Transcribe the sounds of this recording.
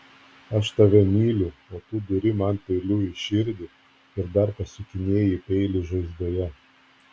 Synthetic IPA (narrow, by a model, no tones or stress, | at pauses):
ɐʃt̪ɐʋʲɛmʲiːlʲʊoːt̪uːd̪ʊɾʲɪmɐnt̪ʲɛɪlʲuːɪʃʲɪɾʲd̪ʲɪ | ɪɾd̪ɐɾpɐsʲʊkʲɪnʲeːjɪpʲɛɪlʲɪʒɐɪzd̪oːjɛ